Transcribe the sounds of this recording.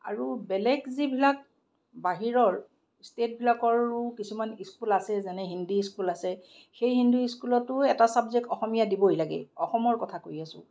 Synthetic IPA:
a̰ɹubɛlɛkzibʱilak̚ | baɦiɹɔɹ | stet̚bʱilakɔɹʊkisumaniskulasɛzanɛɦindiiskulasɛ | xejɦinduiskulɔtːʊɛtasabzɛk̚tɔxɔmijadibɔjlaɡɛ̰ɔxɔmɔɹkɔtʰakoɹiasʊ̰̃

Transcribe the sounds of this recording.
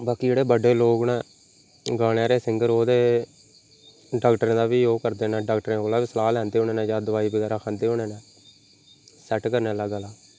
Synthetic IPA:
baːkiːd͡ʒeːɽeːbəɖeːloːɡnɛ̃ː | ɡaːɽeaːɾeːsɪŋɡəɾoːd̪eː | ɖaːkʈɾẽːd̪aːʋiːoːkəɾd̪eːnɛːɖaːk̚ʈɾẽːkoːlaːʋiːsəlaːlɛːnd̪eːɦoːneːnɛ̃ːd͡ʒaːd̪əʋaːiːbəɡaːɾaːkʰənd̪eːɦoːɽeːnɛ̃ː | sɛːʈkəɾneːlːaːɡaːlaː

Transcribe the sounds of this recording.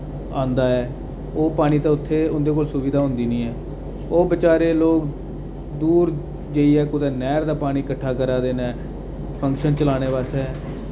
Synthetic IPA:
ãːnd̪aːɛː | oːpaːɽ̃iːt̪ãːʊt̪ʰːeːʊnd̪eːk̬oːlsʊʋiːd̪aːɦʊ̃nd̪iːnĩːɛː | oːbət͡ʃaːɾeːloːk | d̪uːɾ | d͡ʒeːiːɛːkʊd̪ɛːnɛːɾd̪aːpaːɽ̃iːkəʈʰːaːkəɾaːd̪eːnɛ̃ː | pʰəŋkʃənt͡ʃəlaːɽ̃eːʋaːsɛː

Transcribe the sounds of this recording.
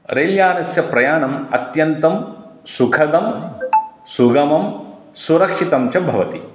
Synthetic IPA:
ɾejljaːnɐsjɐpɾɐjaːnɐmɐt̪jɐnt̪ɐm | sukʰɐd̪ɐm | suɡɐmɐm | suɾɐkʂit̪ɐmt͡ʃɐbʱɐʋɐt̪i

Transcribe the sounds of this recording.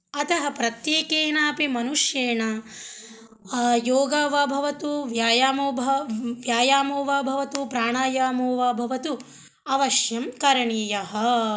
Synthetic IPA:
ɐt̪ɐɦɐpɾɐt̪jeːkeːnaːpimɐnuʂjeːɳɐ | joːɡaːʋɐbʱɐʋɐt̪uʋjaːjaːmoːbʱɐʋjaːjaːmoːʋaːbʱɐʋɐt̪upɾaːɳaːjaːmoːʋabʱɐʋɐt̪u | ɐʋɐʃjɐmkɐɾɐɳiːjɐɦɐ̆

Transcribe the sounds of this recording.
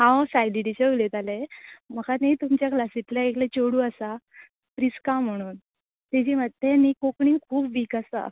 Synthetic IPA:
ɦãwsajdiʈit͡ɕəulet̪aleməkaneit̪umt͡ɕjaklasit̪ljaeklet͡ɕoɽuːasa | pɾiskãm̤əɽ̃uːn | t̪ed͡ʑimət̪enːikokɳiːnkʰuːpʋikasa̰

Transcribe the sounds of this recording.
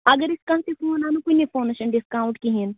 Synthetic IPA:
əɡəɾɪskãːt̪epʰoːnaːnũkoinipʰoːneʃənɖɪskaːʊ̃ɳʈkiɦɪn

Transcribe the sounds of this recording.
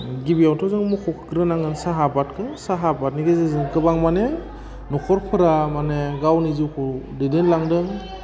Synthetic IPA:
ɡibijawtʰɔzɯŋmukʰɔkʰɡɾɯnaŋɯnsaɦapatkʰɯsaɦabat̚niɡezɯzɯŋkɯbaŋmane | nɔkʰɔɾpʰɯɾamaneɡawnizukʰɔdedenlaŋdɯŋ

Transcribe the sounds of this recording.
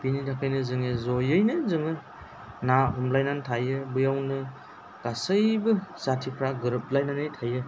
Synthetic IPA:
binitʰakʰajnɯzɯŋɯzɔjɯjnɯzɯŋɯ | naɦɔmlajnantʰajɯbɯjawnɯ | ɡ̥asəjbɯsatʰipʰɾaɡɯɾɯp̚lajnanejtʰajɯ

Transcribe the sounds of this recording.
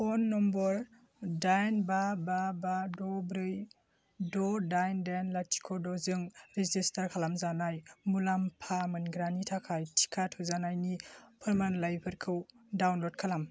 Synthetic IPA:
ɔnːɔmbɔɾ | dajnbababadɔbɾɯj | dɔdajndajnlatʰi̥kʰɔdɔzɯŋɾizistaɾkʰalamzanajmulampʰamɯnɡɾanitʰakʰajtʰi̥kʰatʰɔzanajnipʰɯɾmanlajpʰɯɾkʰɯw | dawnlɔd̚kʰalam

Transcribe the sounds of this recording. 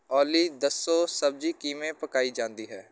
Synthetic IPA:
ɔːlid̪əsːoːsəb̚d͡ʒikiːmẽpəkaːid͡ʒãːnd̪iɦɛː

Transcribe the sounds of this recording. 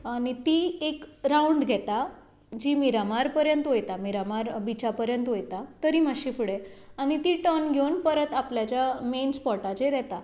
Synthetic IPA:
añit̪iekɾauɳɖɡʱɛt̪a | d͡ʑiːmiɾamaɾpəɾjənt̪ɦojt̪amiɾamaɾbit͡ɕapəɾjənt̪ɦojt̪at̪əɾim̤aɕifuɽeaɽ̃it̪iʈənɡʱeunpəɾət̪apljat͡ɕjamenspɔʈat͡ɕeɾɛt̪a

